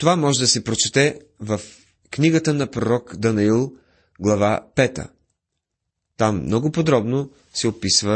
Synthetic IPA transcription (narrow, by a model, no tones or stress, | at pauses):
t̪ovamɔʒɛd̪ɐsɛpɾot͡ʃɛt̪ɛ | vɐf | kniɡət̪ənɐpɾoɾɔkd̪ɐnɐilˠ | ɡlˠɐvapɛt̪ə̰ | t̪amːnɔɡʊpod̪ɾɔbno | sɛopisvə